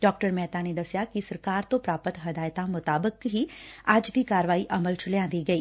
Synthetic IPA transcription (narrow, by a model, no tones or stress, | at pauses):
ɖɔːk̚ʈəɾmɛːt̪aned̪ɐsjakisɐɾkaːɾt̪õpɾaːpət̪ɦɐd̪aːjt̪ãmʊt̪aːbəkɦiaːd͡ʒd̪ʱikaːɾʋaːiʔɐməlt͡ʃʰʊljãːnd̪iɡɐiː